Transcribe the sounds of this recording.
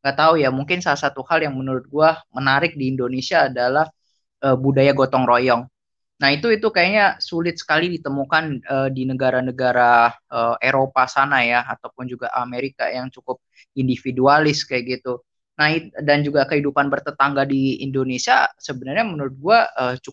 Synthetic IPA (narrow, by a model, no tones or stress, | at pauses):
ŋɡat̪aujamuŋkɪnsalasat̪uhaljaŋmənuɾʊt̪̚ɡuamənaɾɪk̚diːndonesiaːdalah | ʔəːbudajaɡot̪ɔŋrojɔŋ | nait̪uit̪ukajaɲasulɪt̪̚sə̥kalidit̪əmukanəːdinəɡaɾanəɡaɾaəʔeɾopasanajaat̪awpʊnd͡ʒuɡaʔa̰meɾika̰jaŋt͡ʃukʊp̚ | indifidualɪskajɡit̪u | naidand͡ʒuɡakəhidupanbərt̪ət̪aŋɡadiḭndonesiasəbənarɲamənuɾʊt̪̚ɡuaəːt͡ʃuk